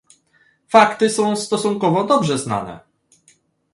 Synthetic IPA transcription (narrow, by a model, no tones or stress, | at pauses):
fakt̪ɘsɔ̃w̃st̪ɔsuŋkɔvɔd̪ɔbʐɛzna̰nɛ̰